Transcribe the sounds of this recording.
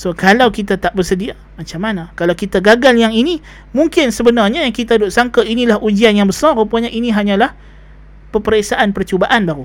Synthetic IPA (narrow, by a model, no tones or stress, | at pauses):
sokalawkit̪at̪aʔbərsədia | mat͡ʃamːanakalawkit̪aɡaɡaljaŋini | muŋkɪnsəbənarɲajaŋkit̪adʊʔsaŋkainilahʔud͡ʒianjaŋbəsaropaɲaʔiniɦaɲãlah | pəpəɾesaʔanpərt͡ʃubaʔanbaɾu